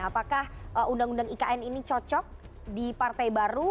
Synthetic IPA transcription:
apakahəundaŋundaŋikaʔɛninit͡ʃɔt͡ʃɔk̚ | dipart̪ajbaɾu

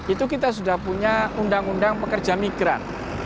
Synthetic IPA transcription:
it̪ukit̪as̬udahpuɲaundaŋundaŋpəkərd͡ʒamiɡɾa̰n

